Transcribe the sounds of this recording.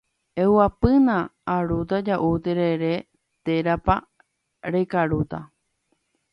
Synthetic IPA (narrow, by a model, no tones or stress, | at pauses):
ewapɨnãːɾut̪̬ad͡ʒaʔut̪eɾeɾe | t̪eɾapa | ɾekaɾut̪a̰